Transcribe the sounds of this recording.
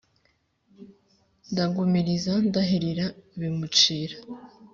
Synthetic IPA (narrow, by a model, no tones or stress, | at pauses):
ndaɡumiɾizandaɦeɾiɾaβimut͡ʃiːɾa